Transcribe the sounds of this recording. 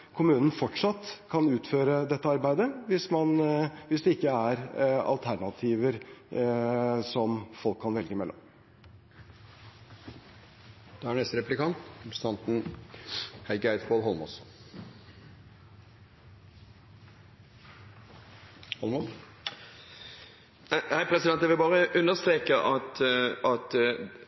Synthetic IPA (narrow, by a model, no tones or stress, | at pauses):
kʰʊmʉːnn̩fɔʈʂɑt̪ːkʰɑnʉːt̪føːɾəd̪ɛt̪ːəɑɾbæɪd̪əʋɪsmɑnʋɪsd̪ɛɪkːəæɾɑ̰lt̪ʰæɳɑt̪ʰiːʋəɾ | sɔmfɔlkʰːɑnʋɛlɡəmɛlːɔ̰m | d̪̥ɛæɳɛst̪əɾɛplɪkɑnt̪pɾs̩ɑnt̪n̩ | hæɪɡæɪt̪kʰoːlhɔlˠmɔs | hɔlmo | hæɪpʰɾɛsɪd̪ɛnt̪jæʋɪlbɑːɾəʔʉnəst̪ɾeːkəʔɑt̪ɑt̪